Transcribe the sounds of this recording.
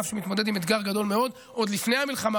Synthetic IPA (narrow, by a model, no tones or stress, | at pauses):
fʃemit̪mo̞d̪e̞d̪imed̪ɡaʁɡad̪o̞lmeo̞d̪ | ʔo̞d̪lifne̞jhamilχama